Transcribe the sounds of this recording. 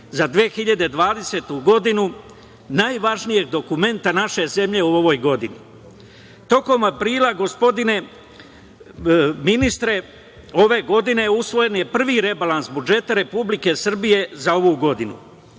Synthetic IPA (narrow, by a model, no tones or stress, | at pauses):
zad̪ʋexiʎad̪e̞d̪ʋaːd̪e̞se̞ːt̪uɡo̞d̪inu | najʋaʒnije̞ɡ̚d̪o̞kume̞nt̪anaʃe̞ze̞mʎe̞uo̞ʋo̞jɡo̞d̪inḭ | t̪o̞ko̞mapɾiːlˠaɡo̞spo̞d̪ine̞ | minist̪ɾe̞ | o̞ʋe̞ɡo̞d̪ine̞usʋo̞je̞nje̞pr̩ʋiɾe̞balansbud͡ʒe̞t̪aɾe̞publike̞sr̩bije̞zao̞ʋuɡo̞d̪inṵ